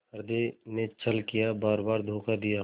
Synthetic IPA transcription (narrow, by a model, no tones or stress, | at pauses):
əɾd̪enet͡ʃəlkijabaːɾbaːɾd̪ʱoːkad̪ija